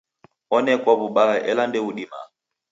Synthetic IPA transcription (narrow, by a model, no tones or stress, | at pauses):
ɔnɛkwaβuɓaʔɛlandɛuɗima̰